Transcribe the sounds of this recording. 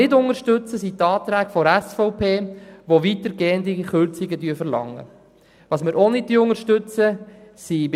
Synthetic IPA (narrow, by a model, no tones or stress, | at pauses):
ɪdʊŋəʃtɵt͡səsit̪ɑːt̪ɾæːkfɔɾæsfɔʊpʰeːʋoʋit̪əɾɡeːənd̪iχʏɾt͡siɡədyːfəɾlɑ̰ŋːə̰ | ʋɑːsmɪɾʔonɪd̥iʊŋəʃtʏt͡səsib